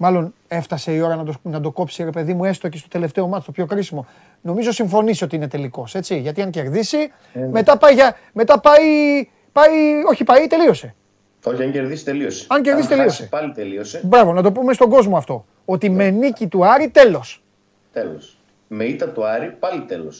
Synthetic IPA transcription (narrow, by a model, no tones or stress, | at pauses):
mɐlo̞ne̞ft̪ɐse̞io̞ɾɐnɐd̪onɐd̪oko̞psiɾe̞pe̞ðimue̞st̪ocest̪o̞t̪e̞le̞ft̪e̞o̞mɐt̪ʰiθopço̞xɾisimo̞ | no̞mizo̞siɱfo̞nisio̞t̪iine̞t̪e̞liko̞se̞t͡siʝɐt̪iɐnce̞ɾðisi | me̞t̪ɐpɐjʝɐ | me̞t̪ɐpɐi | pɐio̞çipɐit̪e̞lio̞se̞ | oçiɐɲɟeɾðisi̥t̪e̞liose̥ɐɲce̞ɾðisiit̪elio̞sepɐlit̪eliosebɾɐvo̞nɐt̪o̞pumest̪o̞ɡo̞zmoɐft̪o̞ | ot̪ime̞nicit̪uɐɾit̪e̞lo̞s | t̪elos | meit̪ɐt̪uɐɾipɐlit̪elos